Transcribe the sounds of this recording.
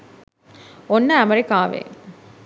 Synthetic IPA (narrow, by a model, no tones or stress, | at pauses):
onːəæmɐɾikaːʋḛ